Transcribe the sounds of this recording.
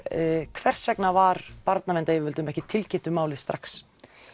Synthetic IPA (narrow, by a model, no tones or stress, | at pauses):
kʰvɛr̥sɾɛknavaɾ̥paɾt̪navɛnt̪ajɛvɪɾvɪlt̪ʏmɛhcɪt̪ʰɪlcʰɪnt̪ʏmaːwlɪst̪ɾaks